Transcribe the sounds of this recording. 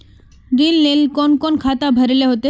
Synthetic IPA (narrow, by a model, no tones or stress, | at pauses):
ɾilːelkɔnkɔnkʰat̪abʱəɾleɦot̪e